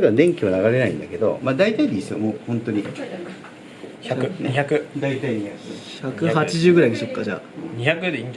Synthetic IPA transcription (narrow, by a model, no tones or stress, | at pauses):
ɾeɯad̪ẽ̞ŋkʲiβanaɡaɾe̞naḭ̃nd̪ake̞d̪o̞̰mad̪ait̪aid̪ʲiːsɨβa̰moːhõ̞nt̪o̞ɲ̟i | çakɯɲiçakɯd̪ait̪aiɲiaçakɯ̟hat͡ɕiʑɨːɡɯ̟ɾaid̪eɕokːad͡ʑa̰ | ɲiçakɯ̟d̪eĩɲd͡ʒ